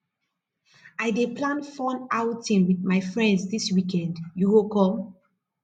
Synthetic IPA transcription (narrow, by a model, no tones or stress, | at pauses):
aɪdepʰlãnfɔ̃nawtĩnwiðmaɪfɹɛ̃ndsdiswikɛ̃ndjuɡokɔ